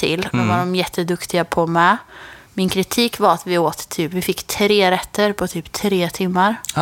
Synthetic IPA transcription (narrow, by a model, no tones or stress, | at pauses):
t̪ʰɪ̰lːd̪ɛvaɖɔmjɛt̪ʰːəd̪ɵkt̪ɪɡapʰɔmɛmɪnkʰɾɪt̪ʰiːkvaɾat̪vɪoːt̪ʰːyːpvɪfɪkːt̪ʰɾeːɾɛt̪ʰːəɾpʰɔt̪ʰyːpt̪ʰɾeːt̪ʰɪmːaɾ